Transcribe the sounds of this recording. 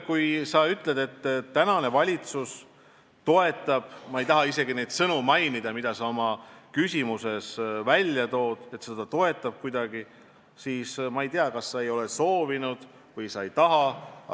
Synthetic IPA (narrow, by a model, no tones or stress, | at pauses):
kujsɑyt̪ːˑle̞d̪̥e̞t̪ːtːænɑne̞vɑlʲit̪sus | t̪o̞e̞t̪ːˑɑb̥mɑe̞jt̪ɑɦɑise̞ɡ̥ine̞jd̪̥sɤnumɑjnid̪̥ɑmid̪̥ɑsɑo̞mɑkysʲimuse̞svælʲjɑt̪o̞ːd̪̥e̞t̪sed̪̥ɑt̪o̞e̞t̪ːˑɑb̥̚kujd̪̥ɑɡ̥i | siːsmɑejt̪eɑkɑsːɑe̞jo̞le̞so̞ːvinud̪̥ | vɤjsɑejt̪ɑɦɑ